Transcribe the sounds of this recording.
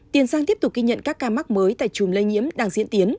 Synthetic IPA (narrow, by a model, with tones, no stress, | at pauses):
t̪i˨˩ənzaː˧ŋt̪i˦˥p̪̚ʊ˨˩k̚ɣi˧ɲə̰˧˨nkaː˦˥kːaː˧ma˦˥k̚məː˨˦jt̪a̰ː˧˨jt͡ɕu˨˩mlə˧jɲḭ˧˥əmɗaː˧ŋzḭ˧˥ənt̪i˨˦ən